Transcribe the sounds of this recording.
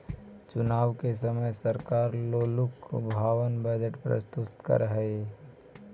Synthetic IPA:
t͡ʃʊnaːʋkes̬əməjsəɾkaːɾloːlʊkbʱaːʋənbəd͡ʒəʈpɾə̰st̪ʊt̪kə̰ɾɦɛ

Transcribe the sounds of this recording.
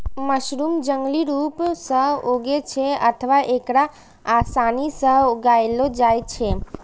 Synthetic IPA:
məʃɾumd͡ʒəŋɡliɾupsəɦoɡet͡ʃʰeət̪ʰəʋaʔekɽa | asanisəɦoɡaelod͡ʒajt͡ʃʰe

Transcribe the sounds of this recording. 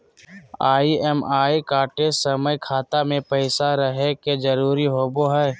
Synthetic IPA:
aːiɛmaːikaːʈesəməjkʰaːt̪amẽpəɪsaɾəɦeked͡ʒəɾuːɾiɦoːboɦɛː

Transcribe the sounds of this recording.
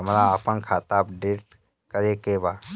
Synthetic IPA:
ɐmɾaəpənkʰaːt̪ap̚ɖeːʈ | kəɾekebaː

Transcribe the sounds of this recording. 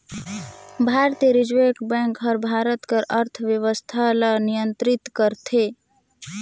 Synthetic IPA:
bʱaɾt̪ieɾid͡ʒʋekbɛ̃ŋkɦəɾbʱaɾət̪kəɾəɾt̪ʰʋjəʋəst̪ʰalanijənt̪ɾit̪kəɾt̪ʰe

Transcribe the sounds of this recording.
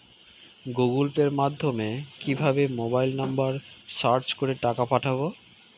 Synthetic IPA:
ɡuɡulpeɾmad̪ʱːomekibʱabemobajlnambaɾsaɾt͡ɕkoɾeʈakapaʈʰabo

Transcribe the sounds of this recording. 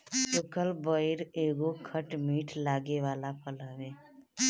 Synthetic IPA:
t͡ʃʊkəlbəɪɾeːɡokʰəʈmiːʈʰlaːɡeʋaːlapʰəlaːʋeː

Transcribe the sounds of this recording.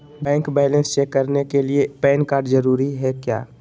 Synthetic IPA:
bɛ̃ːŋkbɛːlə̃nst͡ʃeːkːəɾnekeliepɛːnkaːɾɖd͡ʒəɾuːɾiɦɛkja̰ː

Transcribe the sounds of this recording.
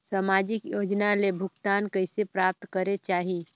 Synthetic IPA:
samaːd͡ʒɪkjoːd͡ʒnalebʱʊɡt̪aːnkɐɪsepɾaːp̚t̪kəɾet͡ʃaːɦi

